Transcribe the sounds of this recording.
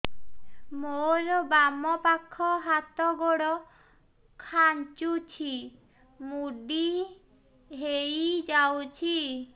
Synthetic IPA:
moɾɔbamɔpakʰːɔɦat̪ɔɡɔɽɔ | kʰant͡ʃut͡ʃʰi | muɖi | ɦejd͡ʒawt͡ʃʰi

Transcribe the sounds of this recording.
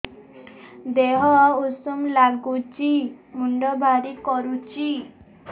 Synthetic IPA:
d̪eɦɔausumlaɡut͡ʃimuɳɖɔbʱaɾikɔɾut͡ʃi

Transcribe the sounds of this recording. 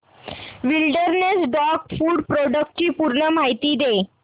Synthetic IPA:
ʋilɖəɾnesɖɔkfuːɖpɾoɖək̚ʈ̚t͡ɕiːpuɾɳəm̤ajt̪iːd̪e

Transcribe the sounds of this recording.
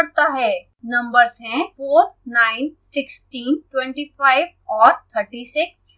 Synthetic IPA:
ɾt̪aɦɛː | nɐ̃mbəɾzɦɛ̃foːɾnaːɪnsɪksʈiːnʈwɛ̃ɳʈiːfaːɪʋɔːɾt̪ʰəɾʈisɪkss

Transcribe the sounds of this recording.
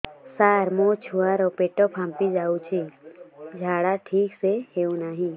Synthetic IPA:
saːɾmot͡ʃʰuaɾopeːʈopʰãːmpid͡ʒaːut͡ʃʰi | d͡ʒʱaːɽaʈʰiːkseɦeunaːɦĩː

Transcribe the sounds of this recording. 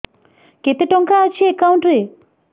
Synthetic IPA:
ket̪eʈɔŋkaːt͡ɕʰiekawɳʈɾe

